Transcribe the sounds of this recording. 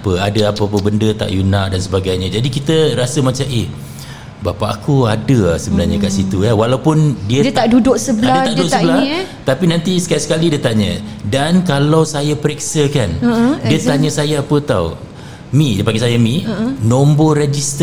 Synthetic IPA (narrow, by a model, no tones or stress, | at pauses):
pəadəapapəbəndət̪a̰ʔjunãʔdansəbaɡajɲə̃d͡ʒadikit̪əɾasəmãt͡ʃamʔeh | bapaʔakuadəasəbənaɲakaʔsit̪ujawalawpʊndiət̪adudʊksəblaadaaʔdudʊkʔsəbəlat̪apinãnt̪isə̥kaaʔsə̥kalidiət̪aɲə̰̃dankalawsajapəɾɛksəkandiət̪aɲə̃sajaːpət̪aw | mĩdapaŋɡisajamĩnõmboɾed͡ʒist̪